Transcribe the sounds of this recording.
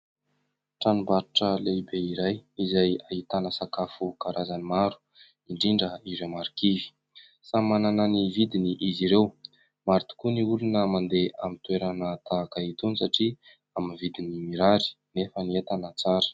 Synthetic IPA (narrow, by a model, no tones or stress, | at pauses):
ʈ͡ʂanumbaɾiʈ͡ʂəlebeiɾajizajaɦit̪anəsakafukaɾazanimaɾu̥ | iɳɖ͡ʐiɳɖ͡ʐəiɾewmaɾikivi̥ | samanananivid̪iniʔiziɾew | maɾt̪u̥kuniulunəmand̪eamit̪weɾanət̪akait̪unisaʈ͡ʂi | aminvid̪inimiɾaɾi̥ | nefəniet̪anət͡saɾə̥